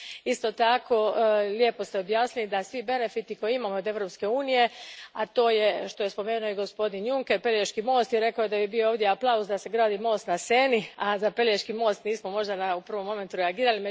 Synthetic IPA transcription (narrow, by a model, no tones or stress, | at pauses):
ist̪o̞t̪akʰo̞lje̞po̞st̪eo̞bjaːsnilid̪asʋibe̞ne̞fit̪iko̞jiimamood̪e̞ʋɾo̞pske̞uːnije̞at̪o̞ːje̞ʃt̪o̞je̞spo̞me̞ːnuoiɡo̞spo̞d̪injuŋkeɾpe̞lʲjeʃkimo̞ːst̪jiɾe̞kaojed̪ajibiooːʋd̪je̞aplˠausd̪ase̞ɡɾaːd̪iːmo̞ːst̪naseːniazape̞ljeʃkimo̞ːst̪niːsmo̞mo̞ʒd̪anaupr̩ʋo̞mːo̞me̞nt̪uɾeaɡiːɾalime